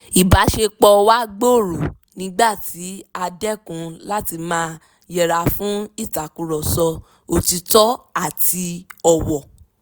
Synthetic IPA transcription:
i˨ba˨˦ʃe˧k͡pɔ˧wa˦ɡ͡bo˦˨ɾu˨ | nĩ˨˦ɡ͡ba˦˨ti˨˦a˧dɛ˦kũ˧la˦ti˧mãː˦ | jɛ˨ɾa˨fũ˦i˦˨ta˨kũ˨˧ɾɔ˨sɔ˧ | o˨ti˧tɔ˦a˦˨ti˧ɔ˨wɔ˨

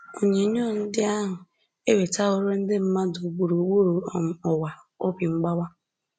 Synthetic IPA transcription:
o˨ɲe˨˦ɲoː˦˨n̩˦dɪ˦a˦ɦʊ˨ | e˦we˨ta˦o˦ɾo˦n̩˦dɪ˦m̩˦ma˦du˨ɡ͡bu˨ɾo˨ɡ͡bu˦ɾo˨ɔ˨wa˨ | o˦bi˨ŋ͡m̩˦ɡ͡ba˦wa˦

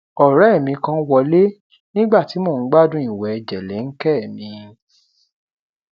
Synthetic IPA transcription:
ɔ˨ɾɛ˨˦˨mĩ˧kã˧˦wɔ˧˨le˦ | nĩ˦ɡ͡ba˦˨ti˨˦mo˦˨n̩˦ɡ͡ba˦dũ˦ĩ˦˨wɛ˨ɛ˧˨d͡ʒɛ˨lɛ˨˦ŋ̩˦kɛ˦˨mĩ˨˧

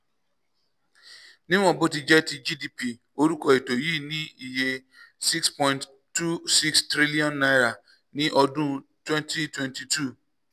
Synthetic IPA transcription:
nɪ̃˦w̃ɔ̃˦˨bo˦ti˨d͡ʒɛ˦ti˧d͡ʒi˦di˦pi˨ | o˦ɾu˦kɔ˦e˨to˨ji˦˨nĩ˦i˨je˧ | si˦kspɔ̃˦ĩ˦nt | tːu˦si˦kstɾi˦li˦ɔ̃˦nːa˦jɾa˨ | nĩ˦ʔɔ˧dũ˦˨twɛ̃˦nti˦twɛ̃˦nti˨tu˦˨

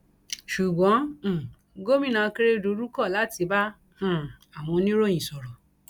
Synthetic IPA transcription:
ʃu˨ɡ͡bɔ̃˨˦˨ | ɡo˦mĩ˦˨nã˧ke˦ɾe˦˧˦du˧˦ɾu˦kɔ˦˨la˨˦ti˧bã˦˨ | a˨w̃ɔ̃˧nĩ˦ɾo˦j̃ĩ˨sɔ˨ɾɔ˨

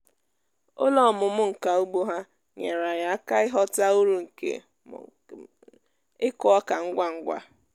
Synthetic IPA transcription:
o˦lɔ˦˨mʊ˨mʊ˦ŋ̩˨ka˨o˦ɡ͡bo˦ɦa˦ | ɲe˨ɾa˨ja˨a˦ka˦ɪ˦ɦɔ˦ta˦u˦ɾu˨ŋ̩˨kḛ˨ | ɪ˦kʊ˦ɔ˦ka˨ŋ̩˦ɡʷa˦ŋ̩˦ɡʷa̰˦

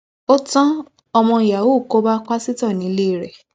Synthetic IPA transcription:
o˦tã˦ | ɔ˧mɔ̃˧i˨ja˨wu˨˦˨ko˦ba˦k͡pa˦si˦tɔ˦˨nĩ˨˦le˦˨ɾɛ˨

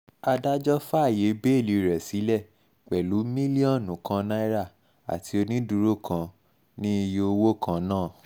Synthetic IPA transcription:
a˧da˦d͡ʒɔ˦fa˦˨je˨˦be˦e˦˨li˨˧˦ɾɛ˨si˨˦lɛ˦˨ | k͡pɛ˨lu˨˦mĩ˦li˦ɔ̃˦˨nũ˨kʰã˧na˦i˦ɾa˦˨ | a̰˨ti˨˧o˧nĩ˦du˧ɾo˦˨kʰã˧ | nĩ˦i˧jo˧o˧wo˦kʰã˧nãː˦˨

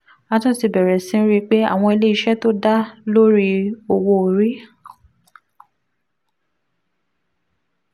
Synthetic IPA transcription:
a˨˧tɔ̃˦˨ti˧bɛ˨ɾɛ˨sĩ˨˦ɾi˦k͡pe˦a̰˦˨w̃ɔ̃˧i˧le˦i˧ʃɛ˦to˦da˦lo˦ɾi˦o˨wo˧˨ɾi˨˦

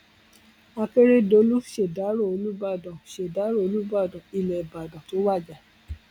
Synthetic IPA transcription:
a˧ke˦ɾe˦do˧lu˦ʃe˨da˨˦ɾo˦˨o˧lu˦ba˦˨dɔ̃˨ʃe˨da˨˦ɾo˦˨o˧lu˦ba˦˨dɔ̃˨i˨lɛ˨i˨ba˨dɔ̃˨to˨˦wa˦˨d͡ʒa˨

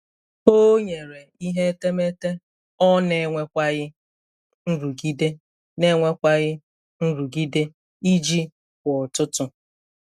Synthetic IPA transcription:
o˦ɲe˨ɾe˨i˦ɦe˦te˦me˦te˦ | ɔ˦ne˦ŋʷe˦kʷa˦ɣɪ˦ | n̩˦ɾu˨ɡi˦de˦ | ne˦ŋʷe˦kʷa˦ɣɪ˦ | n̩˦ɾu˨ɡi˦de˦ | i˦d͡ʒi˦ | kʷɔ˨tʊ˦tʊ˦

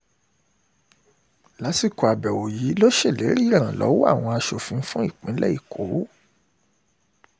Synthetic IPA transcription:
la˨˦si˦˨ko˧a˨bɛ˨wo˨ji˨˦lo˦ʃe˦˨le˨˦ɾi˦˨ɾ̃ã˨lɔ̰˨˦wa̰˦˨w̃ɔ̃˧a˧ʃo˨fĩ˨˧˦fũ˦i˦˨k͡pĩ˨˦lɛ̰˦i˦˨kʰo˨˦

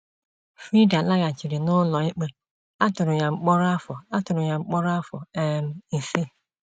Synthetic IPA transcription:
fɾi˦da˨la˦ɣa˨t͡ʃi˨ɾi˨nʊ˦lɔ˨i˦k͡pe˦ | a˦tʊ˨ɾʊ˨ɲa˨ŋ͡m̩˨k͡pɔ˦ɾa˦fɔ˨a˦tʊ˨ɾʊ˨ɲa˨ŋ͡m̩˨k͡pɔ˦ɾa˦fɔ̰˨ɛ˦˨m̩˨n̩˨si˦

